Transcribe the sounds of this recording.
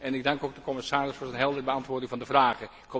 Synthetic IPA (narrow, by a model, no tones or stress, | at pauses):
ɛnɪɡ̚dɑŋkoːɡ̚dəkɔmɪsaːrɪsfoːɹzənɦɛlˠdəəbəɑntʋoːrdɪŋvɑndəvraːɣə | kʰo